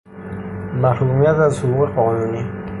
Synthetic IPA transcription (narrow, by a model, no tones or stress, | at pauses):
mahɾumijat̪azhuuqeqɔːnuni